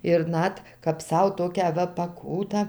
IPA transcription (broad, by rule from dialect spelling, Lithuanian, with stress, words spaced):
ɪr ˈnɐt kɐp ˈsɐʊ ˈtoːkʲæː ˈʋɐ pɐˈkuːtɑː